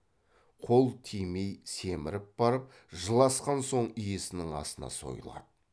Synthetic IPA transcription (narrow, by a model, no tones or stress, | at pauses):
qʰo̞lˠt̪ʰijmejse̞mɪɾɪp̚b̥ɑɾəp̚ | ʒəlˠɑsqɑnso̞ɴijesɪnɪŋɑ̰sənɑ̰so̞̰jəlˠɑ̰d̪̥ə